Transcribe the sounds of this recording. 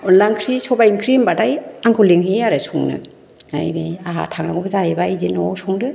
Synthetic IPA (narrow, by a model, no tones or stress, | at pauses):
ɔnlaŋkʰɾisɔbainkʰɾimbadajaŋkʰuliŋɦiaɾɯsuŋnɯ̰ | a̰jbeaɦa̰tʰaŋnaŋɡubɯzajebajdinɔwsuŋdɯ